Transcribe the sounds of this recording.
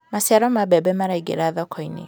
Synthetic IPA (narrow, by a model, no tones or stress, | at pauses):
masiaɾɔmabɛbɛmaɾaiɡḛɾaðɔkʰɔinḛ